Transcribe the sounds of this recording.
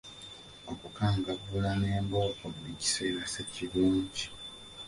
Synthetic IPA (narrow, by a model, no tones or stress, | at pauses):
o̞kukaːŋɡavulane̞ːmbo̞ːkoβuici̥se̞ːɾase̞ciɾuːɲɟi